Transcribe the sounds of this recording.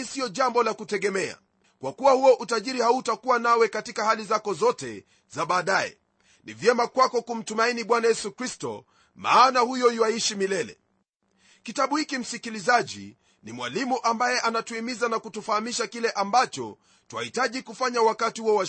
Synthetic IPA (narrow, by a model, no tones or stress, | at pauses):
isiɔʄambɔlakutɛɠɛmɛa̰ | kwakuwahuɔʔutaʄiɾihautakuwanawɛkatikahalizakɔzɔtɛ̰ | zaɓaːɗajɛ̰ | nivjɛmakwakɔkum̩tumainiɓwanajɛsukɾistɔ̰ | ma̰ːnahujɔiwaiʃimilɛlɛ̰ | kitaɓuhikim̩sikilizaʄḭ | nimwa̰limuʔambajɛʔanatuimizanakutufahamiʃakilɛʔambat͡ʃɔ̰ | tuwa̰hitaʄikufaɲawakatihuɔwa